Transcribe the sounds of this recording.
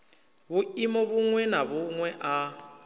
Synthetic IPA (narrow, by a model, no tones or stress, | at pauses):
βuimɔβuŋwɛnaβuŋwɛʔa